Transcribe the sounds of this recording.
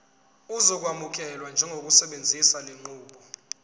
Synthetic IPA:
uzɔk̬wamuk̬ɛlwand͡ʒʱɛŋʱok̬ʼusɛɓend͡zʱisaleŋ͡ǃuːɓɔ

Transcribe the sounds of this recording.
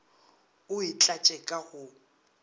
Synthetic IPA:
ʊit͡ɬʼat͡ʃʼɛkʼahʊ

